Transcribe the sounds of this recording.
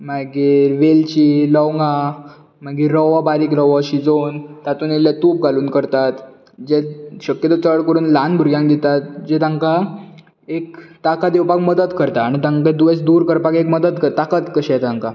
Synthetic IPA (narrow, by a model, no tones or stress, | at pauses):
maɡiːɾʋelt͡ɕiːlɔwŋɡa | maɡiːɾːɔʋabaɾiːkɾɔʋaɕid͡zont̪at̪uːnelːjat̪up̚ɡaluːnkəɾt̪at̪ | d͡ʑeɕəkjət̪ət͡səɭkəɾuːnlanbʱuɾɡjãŋkd̪it̪at̪̚d͡ʑet̪ãŋka | ekt̪akad̪ewpakməd̪ət̪kəɾt̪aːɽ̃it̪ãŋked̪uʋet͡sd̪uɾkəɾpakekməd̪ət̪kəɾt̪akat̪kəɕɛɛt̪ãŋka